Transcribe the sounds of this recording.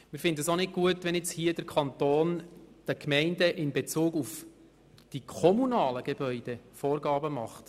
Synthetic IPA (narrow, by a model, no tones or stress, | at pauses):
mɪɾfɪndədəsonɪt̚ɡ̥uətʋɛnjɛt͡shiəd̥əɾkʰɑntoːnd̥əkmɛɪndəʔɪnbet͡suːɡuf | d̥ikʰɔmunɑːləɡ̥eb̥œʏd̥efoːɾɡɑːbəmɑχt